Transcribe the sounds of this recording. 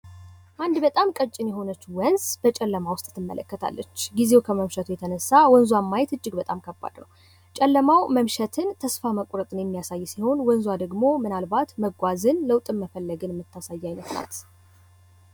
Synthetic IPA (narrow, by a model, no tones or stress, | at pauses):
ʔand̪bət̪ʼamkʼət͡ʃʼːɪnjɛɦo̞nət͡ʃːwənzb̥ət͡ʃʼɛlːəmawʊst̪ʼt̪ːɨmːə̰ləkːət̪ʰa̰lːə̰t͡ʃːɡize̞wkʰəməmʃɛt̪ʰujɛt̪ʰənəsːawənzuwamːajɛt̪ɨd͡ʒːɪɡbət̪ʼamkʰəbːa̰d̪nə̰w | t͡ʃʼɛlːəmawməmʃɛt̪ʰɨnt̪ʰəsfaməkʼɾət̪ʼɨnjɛmːijasajːsiho̞nwənzuad̪əɡmo̞mɨnalbat̪məɡʷazɨnləwt̪ʼɨnmːəfəlːəɡɨnmːɨt̪ʰːasajːajnət̪na̰t̪